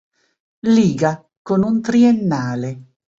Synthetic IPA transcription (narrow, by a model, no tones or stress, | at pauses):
liːɡa | konunt̪ɾienːaːle